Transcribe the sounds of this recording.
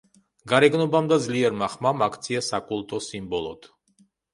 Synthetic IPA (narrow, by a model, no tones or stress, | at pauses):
ɡaɾɛɡnɔbamd̪ad̪zliɛɾmaχmamakʰt̪sʰiasakʼulˠt̪ʼɔsimbɔlˠɔ̰d̪̥